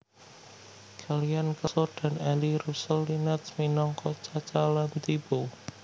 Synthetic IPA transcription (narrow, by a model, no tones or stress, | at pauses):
ɡ̥aliankəsɔɖ̪̥a̤nɛliɾusəlːinɛt̪sminɔŋkɔt͡ʃat͡ʃalant̪ib̥o